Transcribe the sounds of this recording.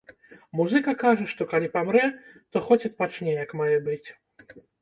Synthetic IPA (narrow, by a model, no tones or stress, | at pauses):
muzɨkɐkaʐɐʂt̪ɔkalʲipamɾɛ | t̪ɔxɔt͡sʲɐt̪̚pat͡ʂnʲɛjɐkmajɛbɨt͡sʲ